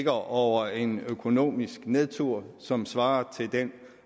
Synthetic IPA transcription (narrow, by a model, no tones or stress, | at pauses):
ɡ̥ɐʔɒʊ̰ɐe̝nøkʰo̝no̝̰ːmisɡ̥neðˠt͡sʰuɐ̰sɒ̽msʋɑ̈ːɐt͡sʰe̝ld̥en